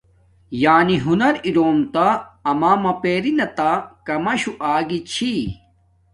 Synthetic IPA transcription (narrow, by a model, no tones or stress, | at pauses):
jaːniɦunɐɾiɾoːmt̪aːmaːmɐpeːɾinɐt̪akɐmɐɕuʔaːɡit͡ɕʰi